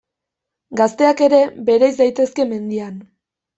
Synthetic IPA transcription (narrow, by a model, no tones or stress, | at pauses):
ɡast̪e̞ake̞ɾe̞be̞ɾajzd̪ajt̪e̞ske̞me̞nd̪ian